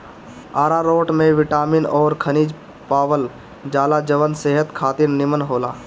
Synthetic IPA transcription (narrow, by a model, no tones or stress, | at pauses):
aːɾaɾoːʈmẽʋɪʈaːminɔːɾkʰəniːd͡ʒ | paːʋəl | d͡ʒaːlad͡ʒəʋənseɦət̪kʰaːt̪iɾnɪmənɦoːlaː